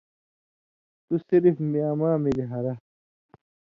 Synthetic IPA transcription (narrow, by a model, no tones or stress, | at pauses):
t̪usiɾifmiaːmaːmiliɦɐɾɐ